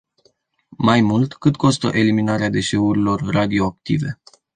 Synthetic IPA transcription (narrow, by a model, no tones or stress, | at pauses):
majmult̪kɨt̪ko̞st̪ə̰ʔe̞liminaɾead̪e̞ʃe̞uɾilo̞rrad̪io̞ak̚t̪ḭve̞̰